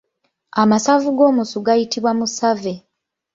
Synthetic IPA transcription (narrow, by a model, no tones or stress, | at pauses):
amasavuɡo̞ːmusuɡajitiβwamusave